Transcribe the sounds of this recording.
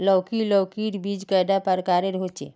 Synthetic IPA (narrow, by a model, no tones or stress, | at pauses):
lɔwkilɔwkiʈbid͡ʒkəjd̪apəɾkaːɾeɾɦot͡ʃḛː